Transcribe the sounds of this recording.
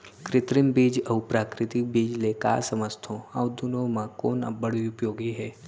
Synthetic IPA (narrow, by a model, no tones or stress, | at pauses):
kɾɪt̪ɾɪmbiːd͡ʒɐwpɾaːkɾɪt̪ɪk̚biːd͡ʒleka̰ːsəməst̪ʰõawd̪unomãkoːna̰bəɽ̤iupjoːɡiɦɛː